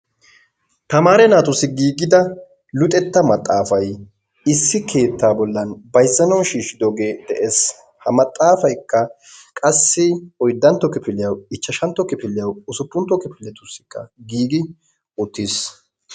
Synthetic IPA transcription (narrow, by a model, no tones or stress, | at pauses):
t̪ɐmaːɾɛnaːt̪ʊsɪɡiːɡɪd̪ɐ | lʊt̪ʼɛt̪ːɐmɐt̪ʼːaːfɐj | ɪsːɪkʰe̞ːt̪ːaːbɔlːɐnbɐjzːɐnɐwʃiːʃɪd̪ɔɡeːd̪̥ɛʔes | hɐmɐt̪ʼːaːfɐjkːɐ | kʼɐsːɪɔjd̪ːɐnt̪ːɔkɪpɪlɪjɐwɪt͡ʃːɐʃɐnt̪ːɔkɪpɪlːɪjɐwʊsʊpːʊnt̪ːɔkɪpɪlːɛt̪ʊsːɪ̥kːɐ̰ɡiːɡɪ | ʊt̪ːis